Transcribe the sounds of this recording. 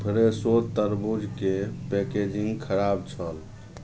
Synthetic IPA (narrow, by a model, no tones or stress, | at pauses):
pʰəɾesot̪əɾbud͡ʒkepɛked͡ʒĩŋɡkʰəɾab̚t͡ʃʰəl